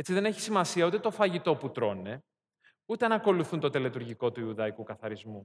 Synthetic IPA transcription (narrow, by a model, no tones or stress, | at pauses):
et͡siðe̞ne̞çi̥simɐsiɐut̪et̪o̞fɐʝit̪o̞put̪ɾo̞ne | ut̪e̞nɐko̞luθunt̪o̞t̪e̞let̪uɾʝiko̞t̪uiuðɐikukɐθɐɾizmu